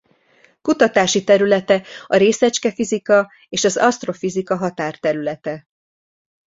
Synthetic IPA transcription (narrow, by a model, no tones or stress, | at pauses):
kut̪ɒt̪aːʃit̪ɛɾylɛt̪ɛɒɾeːsɛt͡ʃkɛfizikɒ | eːʃɒzɒst̪ro̞fizikɒɦɒt̪aːrt̪ɛɾylɛt̪ɛ